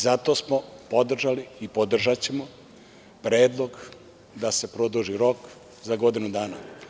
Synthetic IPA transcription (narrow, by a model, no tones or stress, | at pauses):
zat̪o̞ːsmopo̞d̪r̩ʒaliːpod̪r̩ʒat͡ɕe̞mo | pɾeːd̪lˠo̞ɡ | d̪ase̞pɾod̪uʒiɾo̞k | zaɡo̞d̪inud̪aːna